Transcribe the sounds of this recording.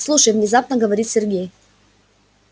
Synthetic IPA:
slˠuʂəjvnʲɪzap̚nəɡəvɐɾʲit̪sʲɪrɡʲej

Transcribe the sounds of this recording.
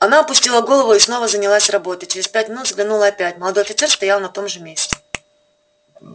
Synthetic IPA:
ɐnaɐpʊsʲtʲilˠəɡo̞lˠəvʊisno̞vəzənʲɪlˠasʲrɐbo̞t̪ɨt͡ɕɪɾʲɪspʲætʲmʲnut̪zɡlʲɪnulˠɐɐpʲætʲməlˠɐd̪ojɐfʲɪt̪sɛrst̪ɐjalˠnɐt̪o̞mʐɨmʲesʲtʲɪ̥

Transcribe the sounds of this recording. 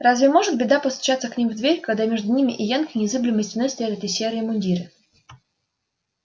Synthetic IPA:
razvʲɪmo̞ʐɨt̪̚bʲɪd̪apəst̪ʊ̥t͡ɕat̪səknʲimvd̪vʲeɾʲkɐɡd̪amʲeʐd̪ʊnʲimʲɪʔɪjankənʲɪzɨblʲɪməsʲtʲvʲnəsʲt̪ɾʲat̪ɛt̪əsʲeɾɨɪmʊnʲdʲiɾɨ

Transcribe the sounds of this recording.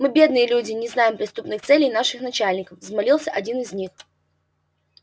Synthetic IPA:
mɨbʲe̞d̪nɨjəlʲudʲɪnʲɪznajɪmpɾʲɪst̪upnɨxt̪sɛlʲɪjnaʂɨxnɐt͡ɕalʲnʲɪkəfzmɐlʲilˠsʲəʔɐdʲinɨzʲnʲix

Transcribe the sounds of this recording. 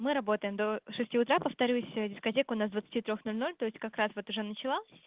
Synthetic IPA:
mɨɾɐbo̞t̪əjɪmd̪o̞ʂɨsʲtʲiʊt̪ɾapəft̪ɐɾʲusʲdʲɪskɐtʲekʊnasd̪vət̪sɨ̥tʲit̪ɾʲoxnolʲno̞lʲt̪o̞ɪsʲtʲkɐkɾasvo̞t̪ʊʐɛnət͡ɕɪlˠa

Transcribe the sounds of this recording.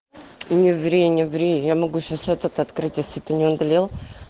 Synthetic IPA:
nʲɪvɾʲejnʲɪvɾʲejjamɐɡuɕasɛt̪ət̪əɐt̪kɾɨtʲjesʲlʲɪt̪ɨnʲɪond̪ɐlʲelˠ

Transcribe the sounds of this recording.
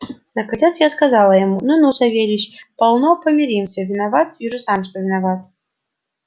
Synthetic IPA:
nɐkɐnʲɛt̪sjaskazalˠəjamununusɐvʲelʲɪɕpɐlˠnɔpəmʲɪɾʲimsʲəvʲɪnavat̪jɪʐɨsamʂt̪ɔvʲɪnavat̪̚

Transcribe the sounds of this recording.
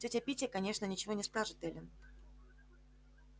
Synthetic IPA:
tʲotʲɐpʲitʲɪəkɐnʲe̞ʂnənʲɪt͡ɕɪvonʲɪspaʐɨt̪ɛlʲɪn

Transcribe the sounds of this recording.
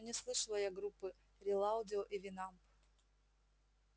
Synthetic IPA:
nʲɪslˠɨʂɨlˠəjaɡɾupːɨ | ɾʲɪlˠaʊdʲɪoʔivʲɪnamp

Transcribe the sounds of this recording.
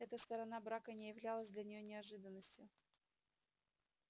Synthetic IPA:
ɛt̪əst̪əɾɐnabɾakənʲɪjɪvlʲalˠəzʲd̪lʲɐnʲɪjonʲɪɐʐɨd̪ənːəsʲtʲjʊ

